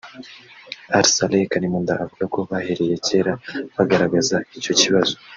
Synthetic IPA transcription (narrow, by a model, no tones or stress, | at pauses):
aɾsalekanimund̪aʔːvulakoβaheɾeje̞ce̞ɾaβaɡaɾaɡazaico̞ciβazo